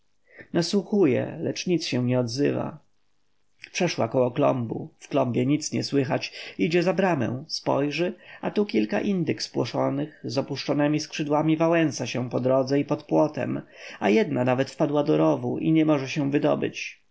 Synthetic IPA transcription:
naswuxujɛ̰lɛt͡ʂɲit̪sɕɛ̃w̃ɲɛɔd̪zɘ̰va̰ | pʂɛʂwa̰kɔwɔklɔ̰mbṵfklɔmbʲjɛɲit̪sɲɛ̰swɘxat͡ɕid͡ʑɛzabɾamɛ̰w̃spɔ̰jʐɘat̪ukʲilka̰ʔind̪ɘkspwɔʂɔnɘxzɔpuʂt͡ʂɔnɛmʲiskʂɘd̪wamʲivawɛnsaɕɛw̃pɔd̪ɾɔd̪zɛipɔt̪pwɔt̪ɛ̰majɛd̪nanavɛt̪fpad̪wad̪ɔɾɔvuʔḭɲɛmɔʐɛɕɛw̃vɘd̪ɔ̰bɘ̰t͡ɕ

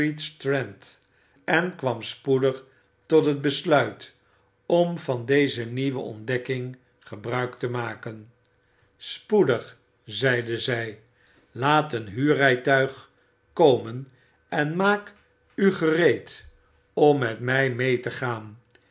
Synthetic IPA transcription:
itstɹɛnt | ʔɛnkʋɑmspudəχ | tɔtɦəd̚bəslœɥt | ɔmvɑndejzəniʋə̰ʔɔ̰ndɛkɪŋ | χəbrœɥktəmaːkən | spudəχ | zɛjdəzɛj | laːtənɦyːrɛjtœɥχ | kowmən | ɛnmaːk | yχərejt | ɔmːɛtmɛjmejtəχaːn

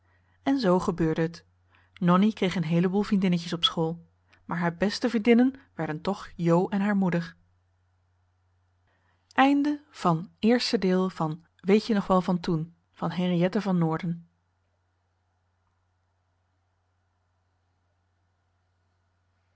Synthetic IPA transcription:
ɛnzowχəbøːɹdəɦət | nɔnikrejχənɦejləbuːlˠvrindɪnəcəsɔpsχoːlˠ | maːɹɦaːɹbɛstəvrindɪnənʋɛɹdəntɔχjowʔɛnɦaːɹmudəɹ | ʔɛjndəv̥ɑnɪːɹstədɪːlˠvɑn | ʋejtənɔχʋɛlˠvɑntun | v̥ɑnɦerijɛtəvɑnːʊːɹdən

